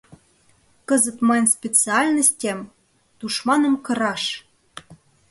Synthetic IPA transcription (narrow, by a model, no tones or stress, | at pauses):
kəzət̪mɑjnspʲet͡sɨɑlʲnəsʲtʲem | t̪uʃmɑnə̆mkɤ̆ɾɑʃ